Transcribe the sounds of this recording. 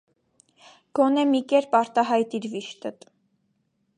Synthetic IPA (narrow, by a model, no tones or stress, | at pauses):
ɡ̥ɔnɛmikɛɾpɑɾt̪ɑɦɑjt̪iɾviʃt̪ət̪